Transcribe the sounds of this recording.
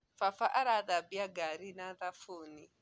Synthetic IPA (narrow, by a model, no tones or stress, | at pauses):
fafaʔaɾaðabiaɡaɾinaðafuːni